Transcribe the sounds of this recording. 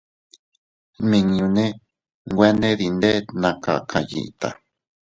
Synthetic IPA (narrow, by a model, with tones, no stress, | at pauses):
mĩ˧˨ŋũ˧nẽ˦ | ŋɡʷe˦nẽ˦ði˧nd̪e˦nã˧ka˨kʰa˨jḭ˨˧t̪a̰˨